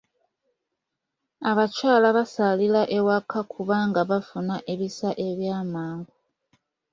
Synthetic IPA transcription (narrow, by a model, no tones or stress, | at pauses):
aβat͡ʃaːlaβasalilaʔe̞wakʰakʰuβaːŋɡaβafunaʔe̞βisaʔe̞βjaːmaːŋɡo